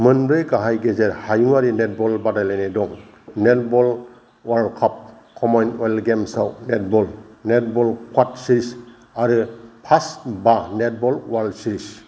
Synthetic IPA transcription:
mɯnbɾɯjkaɦajɡezeɾhajuŋaɾinet̚bɔlbadajlanedɔŋ | net̚bɔl | waɾlkʰap̚ | kʰɔmajnɔlɡemsawnet̚bɔlnet̚bɔlkʰwat̚siɾis | aɾɯpʰasbanet̚bɔlwaɾlsiɾis

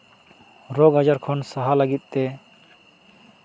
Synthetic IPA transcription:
ɾɔɡad͡ʒaɾkʰɔnsaɦalaɡit̪̚ˀt̪ɛ

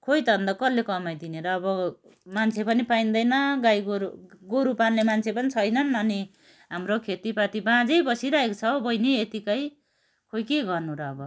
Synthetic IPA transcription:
kʰojt̪ʌʌnd̪ʌkʌlːekʌmajd̪ineɾʌːbʌ | mant͡sʰepʌnipaind̪ʌjnʌɡajɡoɡoɾupanlemant͡sʰepʌnit͡sʰʌjnʌnʌni | ɦamrokʰet̪ipat̪ibãd͡zʌjbʌsiɾaekt͡sʰʌwbʌjniet̪ikʌj | kʰojkeɡʌrnuɾʌːbʌ

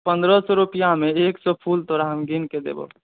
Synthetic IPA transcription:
pənd̪ɾɔsɔɾupijameeksɔpʰult̪ɔɾaɦəmɡinked̪ḛbɔ̰

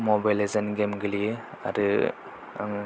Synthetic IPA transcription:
mobajlezənɡemɡɯli | a̰ɾɯ̰ | ŋ

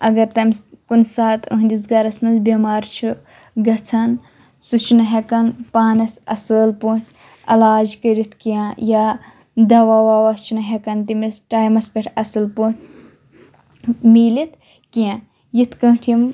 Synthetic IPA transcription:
ɐɡɐɾt̪ɐmʲskunsaːt̪ʰṵɦnd̪iz̬ɡɐɾɐsmɐnzbʲɐmaːɾt͡ʃʰu | ɡɐt͡sʰɐn | sut͡ʃʰnɐɦekɐnpaːnɐsɐsɨlpuʈʰʲ | ɐ̰laːd͡ʒkɐɾit̪ʰkijãja | d̪ɐʋaːwaːwɐst͡ʃʰunɐɦekɐnt̪imisʈaːjmɐspʲɐʈʰɐsɨlpuʈʲ | miːlit̪ | kijã | jit̪ʰkɐ̃ʈʰim

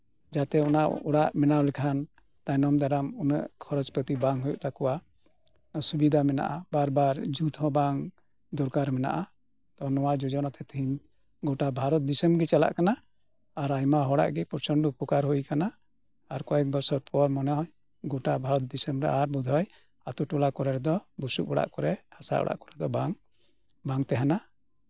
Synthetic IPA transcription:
d͡ʒat̪ɛɔnaʔuɽaʔmɛnawlɛkʰan | t̪ajnɔmd̪aɾamunə̰ʔkʰɔɾɔd͡ʒpət̪ibaŋɦujuʔt̪akuwa | subid̪ʱamɛna̰ʔabaɾbaɾd͡ʒut̪ɦɔ̃baŋ | d̪ɔɾkaɾmɛna̰ʔa | t̪ɔnɔwad͡ʒɔd͡ʒɔnat̪ɛt̪ʰiɲ | ɡɔʈabʱaɾɔt̪̚d̪isəmɡɛt͡ʃala̰ʔkanaː | ɾajmaɦɔɽa̰ʔɡɛpɔɾt͡ʃɔɳɖupukaɾɦujkana | aɾkɔɛk̚bɔsɔɾpʰɔɾmɔnaj | ɡɔʈabʱaɾɔt̪̚d̪isəmɾɛaɾbud̪ʱɔj | at̪uʈulakɔɾɛɾɛd̪ɔbusṵk̚bɔɽa̰ʔkɔɾɛhasa̰ʔɔ̰ɽa̰ʔkɔɾɛd̪ɔbaŋ | baŋt̪ɛɦana

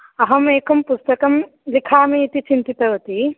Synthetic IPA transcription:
ɐɦɐmeːkɐmpust̪ɐkɐm | likʰaːmiːt̪it͡ʃint̪it̪ɐɦot̪i

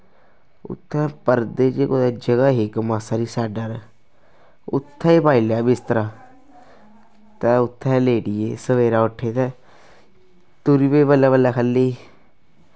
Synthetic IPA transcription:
ʊ̰t̪ʰːɛ̃pəɾd̪eːd͡ʒeːkoːd̪ad͡ʒəɡaːɦekmaːsaːɾiːsɛːɖəɾ | ʊ̰t̪ʰːaːiːpaːiljaːbɪst̪əɾaː | t̪ɛʊt̪ʰːɛ̃leːɖɪjeːsəʋeːɾaːʊʈʰːeːt̪ɛ | t̪uɾibeːbəlːaːbəlːaːkʰəlːeːi

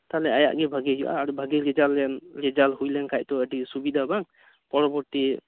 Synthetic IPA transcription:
t̪alɛaja̰ʔɡɛbʱəɡɛjṵʔa̰ːɾubʱəɡɛɾɛd͡ʒalɛnɾɛd͡ʒalhujlɛŋkʰajt̪ɔədisubid̪ʱabaŋ | pɔɾɔbɔti

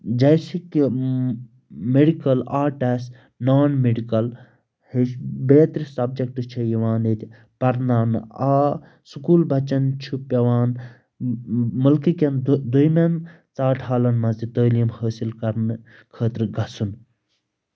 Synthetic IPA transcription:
d͡ʒɐjsiki | meɽikɐlaːʈes | naːnmeɖikɐl | hebeːt̪ɾisɐbd͡ʒɐk̚ʈt͡ʃʰɐjiʋaːnet̪ʲi | pɐɾnaːnaː | sukuːlbʱɐt͡ʃɐnt͡ʃʰupɐʋaːn | mɐlkikʲɐnd̪ujmen | t͡saːʈʰhaːlɐnmɐ̃zit̪əːlimhəːsilkɐɾnɨ | kʰəːt̪ɾɨɡɐsun

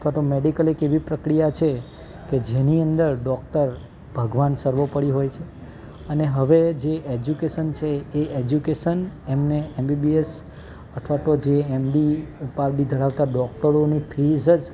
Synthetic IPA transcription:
ət̪ʰʋat̪omeɖikəlekeʋipɾəkɾijat͡ʃʰe | ked͡ʒeniənd̪əɾɖɔk̚ʈəɾ | bʱəɡʋansəɾʋopəɽiɦojt͡ʃʰe | əneɦəʋed͡ʒeʔed͡ʒukeʃənt͡ʃʰeːed͡ʒjukeʃənemneembibies | ət̪ʰʋat̪od͡ʒeemɖiupaɾdid̪ʱəɾaʋt̪aɖɔk̚ʈəɾonipʰizəd͡ʒ

